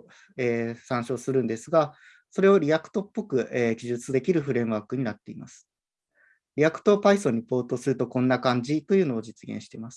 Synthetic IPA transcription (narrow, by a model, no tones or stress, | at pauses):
eːsãɰ̃ɕo̞ːsɨɾɯ̟̃nd̪e̞sɨɡa | so̞ɾe̞o̞ɾʲiakɯ̥t̪o̞pːo̞kɯ̟ʔeːɡʲiʑɨt͡sɨd̪e̞kʲiɾɯ̟ɸɯ̟ɾẽ̞ɰ̃βaːkɯ̟ɲ̟inat̪ːe̞imasɨ̥ | ɾʲiakɯ̟̥t̪o̞ːpaisoɲ̟ipo̞ːt̪o̞sɨɾɯ̟t̪o̞kõ̞nːakãɲ̟d͡ʑit̪o̞jɯ̟ːno̞ːd͡ʑit͡sɨɡẽ̞̰ɰ̃ɕi̥t̪e̞masɨ̥